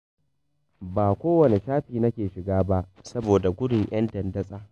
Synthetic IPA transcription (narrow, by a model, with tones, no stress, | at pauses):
baː˨kʷoː˦wɐ˨ne˨ʃaː˦ɸiː˨nɐ˦kʲeː˨ʃɪ˨ɡaː˦ba˦ʔsɐ˦boː˨da˨ɡʷʊ˦ɽɪ˨ŋj̰ʔɐ˦ntɐ˨ndɐ˦sʼaː˦